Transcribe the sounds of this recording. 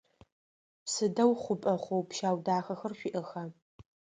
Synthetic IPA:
sɨdɐwχʷʊpʼɐχʷowpʃaːwdaːxɐxɐrɕʷiʔɐxɐ

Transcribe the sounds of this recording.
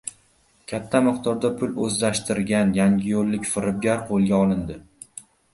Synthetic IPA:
kʲʰat̪ʰːamɨqt̪ʰɒɾd̪apʰʊlɵzlaʃt̪ʰɪɾɡʲanjaŋɡʲɪjolːɪkʲfɪɾɪb̚ɡʲaɾqʰolˠɡʲaɒlˠɪnd̪ɪ

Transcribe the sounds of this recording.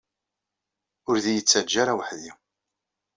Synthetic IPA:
ʊɾðijət͡sːæd͡ʒːaɾawəħði

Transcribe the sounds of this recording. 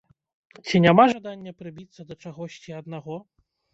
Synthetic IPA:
t͡sʲinʲamaʐad̪anʲːɐpɾɨbʲit̪sːɐd̪ɐt͡ʂaɣɔsʲt͡sʲiɐd̪naɣɔ

